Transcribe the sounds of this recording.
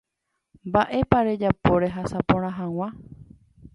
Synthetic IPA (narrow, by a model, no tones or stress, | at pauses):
mbaʔe̞paɾe̞d͡ʒapo̞ɾe̞ɦasapõɾ̃ãɦãw̃ã